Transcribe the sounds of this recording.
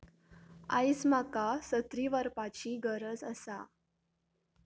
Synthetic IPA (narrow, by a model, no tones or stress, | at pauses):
a̰jsmakasət̪ɾiʋəɾpat͡ɕiːɡəɾəd͡zə̰sa